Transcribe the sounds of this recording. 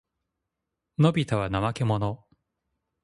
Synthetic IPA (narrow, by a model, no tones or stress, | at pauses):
no̞bʲit̪aβanamake̞mo̞no